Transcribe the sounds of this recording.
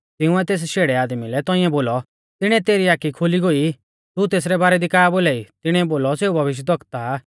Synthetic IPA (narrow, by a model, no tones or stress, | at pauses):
t̪ɪʊ̃ɛt̪eːs̬ʃeːɽɛaːd̪milɛt̪ɔ̃ĩɛ̃boːlɔ | t̪ɪɽ̃ɛt̪eːɾiaːkikʰoliɡoi | t̪ut̪eːs̬ɾɛbaːɾɛd̪ikaːboːlaːit̪ɪɽ̃ɛboːlɔseːubʱɐʋɪʃ̬jd̪ɐkt̪a